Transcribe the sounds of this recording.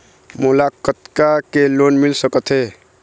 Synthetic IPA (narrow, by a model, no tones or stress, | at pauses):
mulakət̪kakelonmilsəkət̪ʰɦe